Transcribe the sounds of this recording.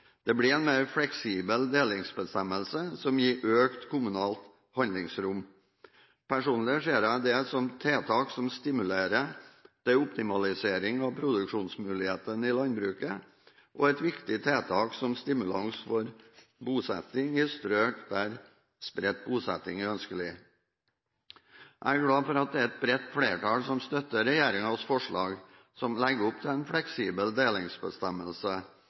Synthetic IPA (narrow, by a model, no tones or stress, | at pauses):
d̪̥ɛblɪɛnmeːɾflɛksiːbəld̪eːlɪŋsbəst̪ɛməlsəsɔmjiːʔøːkt̪kʰʊmʉnɑːlt̪ | hɑnd̪lɪŋsɾʊmː | pʰæʂuːnlɪəʂeːɾɑd̪ɛsɔmt̪ʰeːt̪ʰɑːksɔmst̪ɪmʉleːɾəd̪̥ɛʊpt̪ɪmɑlɪseːɾɪŋɑʋpʰɾʊd̪ʉkʂuːnsmʉːlɪheːt̪ənɪlɑnbɾʉːkə | ʔɔɛt̪ʋɪkt̪ɪt̪ʰeːt̪ʰɑːksɔmst̪ɪmʉlɑŋsfɔɾbuːsɛ̰t̪ɪŋɪst̪ɾøːʈd̪æːɾ | spɾɛt̪̚buːsɛt̪ɪŋæɾœnskəlɪ | ʔæ̰ɪæɾɡɽɑːfɔɾɑt̪̚d̪ɛæɛt̪̚bɾɛt̪ːfɽeːʈʰɑːlsɔmst̪œt̪ːəɾɛjeːɾɪŋɑsfɔʂɭɑːɡ | sɔmlɛɡəʊpt̪ʰɪlɛnfɽɛksiːbəld̪eːlɪŋsbəst̪ɛməlsə